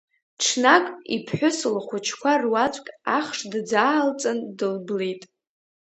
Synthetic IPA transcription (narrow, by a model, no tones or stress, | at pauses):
ʈ͡ʂʰnakʼḭpʰħʷᶣʊsɨlχʷʊt͡ʃʰkʷʰarwat͡ʃʷʼkʲʼaχʂdd͡zaːlt͡sʼandɨlblejtʼ